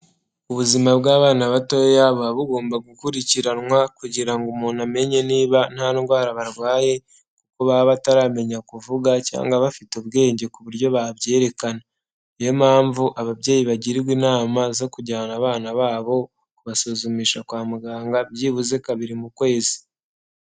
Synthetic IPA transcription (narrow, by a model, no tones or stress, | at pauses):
uβuzimabɡaːβaːnaβato̞jaβaβuɡo̞ːmbaɡukuɾiciɾanwakuɟiɾaŋɡumuːname̞ɲe̞niːβan̥haːnɡwaːɾaβaɾɡwaːje̞ | kukoβaβataɾaːme̞ɲakuvuɡaca̰ːŋɡaβafituβɡe̞ːɲɟe̞kuβuɾjo̞βaβje̞ːɾe̞kana | jomaːɱvuʔaβaβɟeːjiβaɟiɾiɾwiːnaːmazo̞kuɟaːnaβaːnaβaːβo̞ | kuβasozumiːʃakwaːmuɡaːŋɡabjiβuzekaβiɾimukwe̞ːzi̥